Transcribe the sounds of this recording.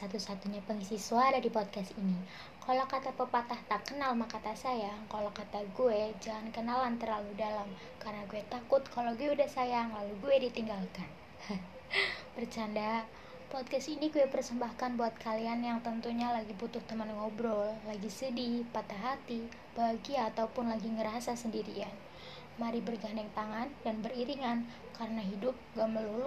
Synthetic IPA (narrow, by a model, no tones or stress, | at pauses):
sat̪usat̪uɲapəŋisisuaɾadipɔd̪̚kast̪ini | kalokat̪apəpat̪aht̪akənalmahkat̪asajakalokat̪aɡuɛd͡ʒaŋankənalant̪ərlaludalam | karənaɡuet̪akʊt̪̚kʰaloɡuɛudahsajaŋlaluɡuɛdit̪iŋɡalkan | pərt͡ʃanda | pɔd̪̚kɛst̪iniɡuɛpərsəmbahkanbuat̪̚kʰalianjaŋt̪ənt̪uɲalaɡibut̪ʊht̪əmanŋɔbɾɔlːaɡisədipat̪aɦat̪i | b̥aɦɡiaːt̪aupʊnlaɡiŋəɾasasəndiɾian | maɾibərɡandɛŋt̪aŋandanbəriɾiŋan | kaɾənaɦidʊp̚ɡaməlul